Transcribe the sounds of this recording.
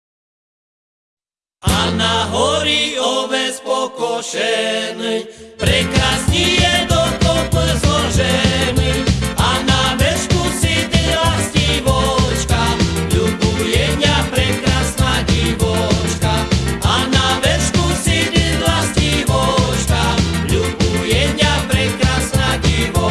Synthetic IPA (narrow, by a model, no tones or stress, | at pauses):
anaɦɔɾiɔʋɛspɔkɔʃɛnɛjpɾɛkɾasɲijɛd̪ɔt̪ɔp̪zlɔʒɛnianaʋɛʃkusid̪ilasciʋɔt͡ʃkaʎubujɛɲapɾɛkɾasnaɟiʋɔt͡ʃkaanaʋɛʃkusid̪ilasciʋɔt͡ʃkaʎubujɛɲɪapɾɛkɾasnaɟiʋɔ